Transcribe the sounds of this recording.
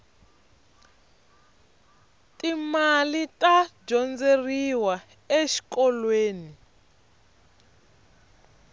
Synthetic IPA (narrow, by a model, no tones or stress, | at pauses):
tʼimalitʼad͡ʒɔnd͡zeriwa | eʃi̥kɔlweːni